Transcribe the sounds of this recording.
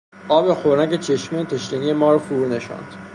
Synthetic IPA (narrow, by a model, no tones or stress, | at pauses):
ʔɒːbexoɾæɟet͡ʃʰeʃmit̪ʰeʃɾinijemɒːɾɔfuɾuneʃɒ̰nd̪̥